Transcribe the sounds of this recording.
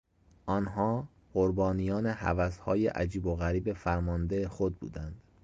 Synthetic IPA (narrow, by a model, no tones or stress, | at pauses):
ʔɒːnɦɒː | ɢoɾbɒːnijɒːnehæ̰væshɒːjḛʔæ̰d͡ʒiːboɣæɾiːbe̞fæɾmɒnd̪e̞exod̪̚bṵːd̪ænd̪̥